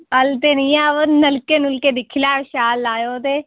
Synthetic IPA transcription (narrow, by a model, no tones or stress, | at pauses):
əlt̪eːnĩːaːoːnəlkeːnʊlkeːd̪ɪkʰːɪlaːʃaːlːaːjoːt̪eː